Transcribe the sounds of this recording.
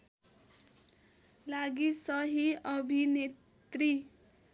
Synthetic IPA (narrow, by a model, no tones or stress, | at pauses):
laɡisʌɦiʌbʱine | t̪ri